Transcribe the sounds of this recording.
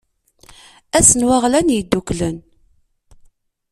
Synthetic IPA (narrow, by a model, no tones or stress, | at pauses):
æsənwaʁlænjid̪ːuklən